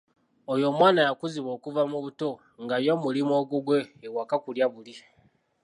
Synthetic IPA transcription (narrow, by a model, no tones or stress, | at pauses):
ojo̞mwaːnajakuziβo̞ːkuvamuβuto̞ | ŋɡajo̞mulimwoːɡuɡwe̞ːwakakuljaβuli